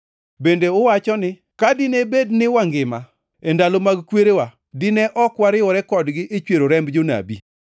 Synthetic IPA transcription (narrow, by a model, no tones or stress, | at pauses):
bendeʊwat͡ʃɔnɪ | kadɪnebednɪwaŋɡɪma | endalomaɡkweɾewa | dɪnɛʔɔkwaɾɪwɔɾɛkɔdɡɪʔet͡ʃweɾoɾɛmbd͡ʒona̰bḭ